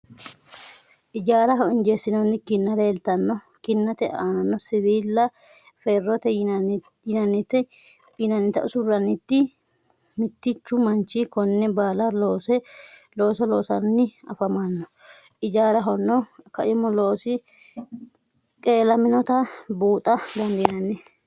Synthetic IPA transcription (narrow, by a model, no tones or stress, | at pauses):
ʔɪd͡ʒaːɾɐɦɔɪnd͡ʒeːsːɪnɔnːɪkɪnːɐɾe̞ːlt̪ɐnːɔ | kɪnːɐt̪ɛʔaːnɐnːɔsɪβiːlːɐ | fɛrːɔt̪ɛ | jɪnɐnːɪt̪ːɛ | ɪnɐnːɪt̪ɐ̰ʔʊsʊrɐnːɪt̪ːɪ | mɪt̪ːɪt͡ʃːʊmɐnt͡ʃɪkɔnːɛbaːlɐloːsɛlo̞ːsɔlo̞ːsɐnːɪɐ̰fɐmanːɔ | ʔɪd͡ʒaːɾɐɦɔnːɔkɐʔɪmɔloːsɪ | kʼeːlɐmɪnɔt̪ɐbuːt̪ʼɐd̪ɐnd̪ɪnɐnːɛ